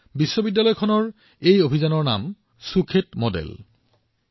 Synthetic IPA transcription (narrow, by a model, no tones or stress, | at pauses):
bisːobidːalɔjkʰɔnɔɹ | ejobʱizanɔɹna̰m | sukʰetmodḛl